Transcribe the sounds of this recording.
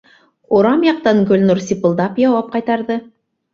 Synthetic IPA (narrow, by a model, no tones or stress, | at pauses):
uɾɑmjɑq̚t̪ɑŋɡɵ̆lnuɾsipɤ̆lˠd̪ɑpjɑwɑp̚qɑjt̪ɑɾðɤ